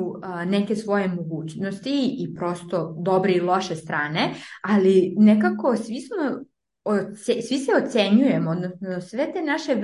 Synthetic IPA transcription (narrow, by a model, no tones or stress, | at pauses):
uneke̞sʋo̞je̞moɡuːt͡ɕnost̪iːpɾo̞st̪o̞d̪o̞bɾeilˠo̞ʃest̪ɾaːnealinekako̞sʋismo | osesʋiseot̪seɲuje̞mood̪nosnosʋe̞t̪e̞naʃe̞